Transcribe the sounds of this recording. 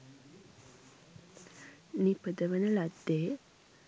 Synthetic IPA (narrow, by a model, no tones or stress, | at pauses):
nipəd̪əʋənəlad̪ːeː